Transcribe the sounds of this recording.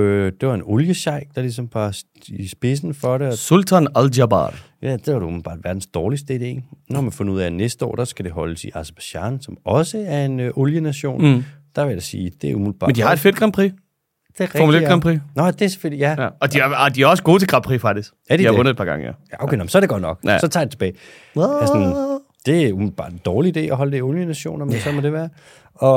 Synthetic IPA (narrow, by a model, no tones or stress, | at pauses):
ød̥e̝ʋɑe̝noljəɕɑ̈ɪ̰ɡ̥̚d̥ɑ̈lis̬ɒ̽mʋɑ | isb̥e̝s̬n̩fɒ̽ɾeɒsolt͡sʰænældɑbɑ̰̈ːd̥æd̥eɑɾeo̰b̥ən̩bɑ̰̈ːd̥ʋæɐd̥n̩sd̥ɒːlisd̥əid̥e̝ŋnuhɑ̈mænfɔ̽n̩uðˠɛnesd̥əɒ̰ːd̥ɑ̈sɡ̥æɾ̥e̝ɦɒ̽ləsiʔɑsb̥æɕɑːnsɒ̽mɒ̽səæɐe̝nʔoljənæɕo̝̰ːnd̥ɑ̈ʋe̝jḁæsiːd̥e̝æumib̥ɑ̈mend̥ihɑ̈e̝dfed̚ɡ̥ʁɑmpʰʁḭː | d̥e̝ʁɛɒmulḛɐɡʁɑmpʰʁḭnɒd̥e̝æɐse̥følijæɒd̥iæd̥iæɐɒ̽səɡ̥o̝ːt͡sʰe̝ɡʁɑ̈b̥̚pʰʁḭːfɑ̈ɡ̥̚d̥isɡ̥æɐd̥iɑɔ̽n̰̩e̥t̚pʰɑɡɑ̈ŋəjæ̰jʔo̰kʰḛːnɒmnsɒ̽ɐɾ̥eɡ̥ɒ̽d̥nɒ̽ɡ̥ssɒ̽t͡sʰɑ̈ːd̥i̥t͡sʰe̝̥b̥ɛːɪ | æsn | d̥e̝æumiðl̩ˠb̥ɑ̰̈ːd̥ɒːliid̥e̝̰ːɒɦɒ̽ld̥e̝oljənæɕo̝̰ːnɐmensɒ̽mɒ̽d̥e̝ʋæːɐ | ɒ̽